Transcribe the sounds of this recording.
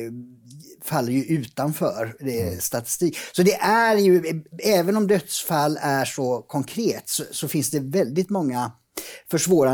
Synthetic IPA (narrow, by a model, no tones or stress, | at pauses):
falːəɾjɵʔʉ̟ːt̪anfœːɾd̪ɛst̪at̪ɪ̥st̪iːksɔd̪ɛʔæɾjɵɛːvənɔmd̪œt̪sfalːæʂɔkʰɔŋkʰɾeːt̪sɔsɔfɪnsd̪ɛvɛld̪ɪt̪mɔŋːa | fœʂvoːɾa